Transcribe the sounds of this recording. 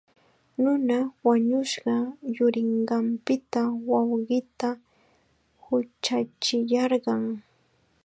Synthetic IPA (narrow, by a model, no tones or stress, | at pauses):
nʊnawaɲʊʃɢɑjʊɾɪɴɢɑmpɪt̪awɑwɢɪt̪a | hʊt͡ʃat͡ʃɪjɑɾɢɑŋ